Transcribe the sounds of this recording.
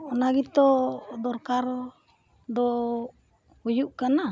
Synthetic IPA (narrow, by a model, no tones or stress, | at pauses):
ɔnaɡit̪ɔd̪ɔrkar | d̪ɔ | ujuʔkana